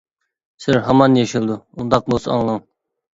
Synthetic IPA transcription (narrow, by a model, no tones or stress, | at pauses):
sɪɾɦɑmɑnjeʃilˠd̪uund̪ɑq̚bosɑ̰ŋlˠɑŋ